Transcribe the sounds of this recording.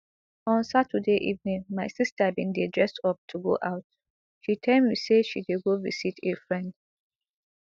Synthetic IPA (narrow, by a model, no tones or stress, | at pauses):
ɔ̃nsatʰədeʔḭvnĩŋmaɪsistabĩndidɹɛstɔp̚tʰuɡo̰ʔaʊt̚ | ʃitʰɛ̃miseʃideɡovisitefɹɛ̃nd